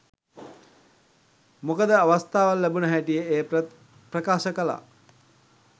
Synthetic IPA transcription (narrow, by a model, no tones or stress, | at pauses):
mokəd̪əaʋast̪aːʋalːæbunəɦæʈijəeː | prəkaːʃəkəla̰ː